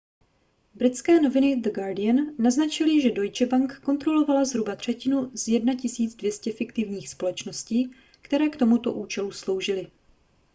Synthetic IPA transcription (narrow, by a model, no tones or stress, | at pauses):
bɾɪt̪t͡skɛːno̞vɪnɪd̪əɡaɾdɪjanːaznat͡ʃɪlɪʒɛdo̞jt͡ʃɛbaŋkko̞nt̪ɾo̞lo̞valazɦɾubat̪r̝̥ɛcɪnuz̥jɛdnacɪsiːd͡zdvjɛscɛfɪkt̪ɪvɲiːxspo̞lɛt͡ʃno̞sciː | kt̪ɛɾɛːkt̪o̞mut̪oʔuːt͡ʃɛluslo̞wʒɪlɪ